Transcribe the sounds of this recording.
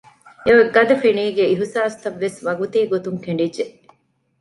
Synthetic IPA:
eʋɐɡɐd̪ɐfiniːɡeiɦusaːst̪ɐʋːesʋɐɡut̪iːɡot̪uŋkeɳ̆ɖidːeʔ

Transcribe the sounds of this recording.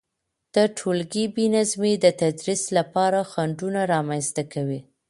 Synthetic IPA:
d̪̥əʈʰolɡibinazmed̪ət̪ad̪ɾislapɑɾaxaɳɖunaɾɑmanst̪akawi

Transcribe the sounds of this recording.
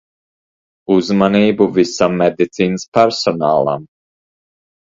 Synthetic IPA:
uzmaniːbuvisamːɛd̪it̪siːnəspɛɾsɔnaːlˠa̰m

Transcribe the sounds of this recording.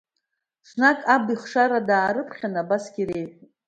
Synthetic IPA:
snakʼabiχʂaɾadaːɾɨpʰχʲanabasɡʲiɾe̞jtʼ

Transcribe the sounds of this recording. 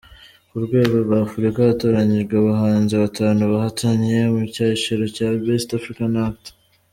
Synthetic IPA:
uɾɡwe̞ːɡoɾɡafuɾikaato̞ɾaɲiʒɡeβaɦaːnziβatʰaːnuβahatʰaɲje̞mucaːiʃiɾocabestafɾikanaft

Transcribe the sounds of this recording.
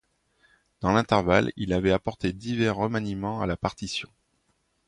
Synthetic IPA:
d̪̥ɑ̃lɛ̃t̪ɛʁvalilavɛapɔʁt̪ed̪ivɛʁːəmanimɑ̃alapaʁt̪isjɔ̃

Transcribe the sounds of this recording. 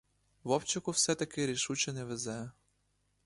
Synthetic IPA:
ʋɔpt͡ʃɐkʊwsɛt̪ɐkɪɾʲiʃut͡ʃɛnɛʋezɛ

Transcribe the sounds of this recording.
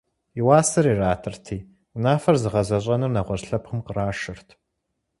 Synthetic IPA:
iwaːsɨriːraːtʰɨrtʰiː | naːfɐrzɨʁɐʑɐɕʼɐnɨrnɐʁʷɔrɬɐpχəmqəraːʃɪrtʰ

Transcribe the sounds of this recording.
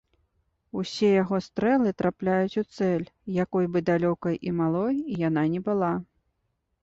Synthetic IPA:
usʲɛjaɣɔst̪ɾɛlˠɨt̪ɾʔaplʲajut͡sʲut̪sɛlʲjakɔjbɨd̪alʲɔkɐjʔimalˠɔjijananʲɛbɨlˠa

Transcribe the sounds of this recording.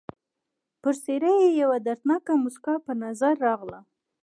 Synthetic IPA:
pəɾseɾəjejawad̪aɾt̪nɑkamʊskɑpənazaɾːɑɣla

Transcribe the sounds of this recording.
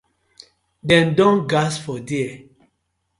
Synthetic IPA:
dɛ̃ndɔ̃nɡasfɔdeɛ

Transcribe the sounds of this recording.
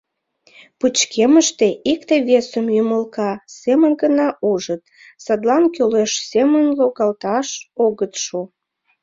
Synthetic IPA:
put͡ɕkʰeməʃt̪eʔikt̪eβesəmjyməlkɑsemənɡənɑʔuʒət̪ | sɑd̪lɑnkøleʃsemənloɣɑlt̪ɑʃoɣət̪ʃu

